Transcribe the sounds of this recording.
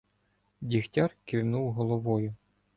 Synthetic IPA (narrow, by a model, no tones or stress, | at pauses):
dʲixtʲɑrkɪwnuwɦɔlˠɔʋɔjʊ